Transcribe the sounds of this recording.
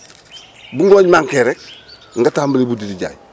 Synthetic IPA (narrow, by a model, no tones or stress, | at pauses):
buŋɡoːɲmaŋkeɾek̚ | ŋɡatahmbalibudidiɟa̰j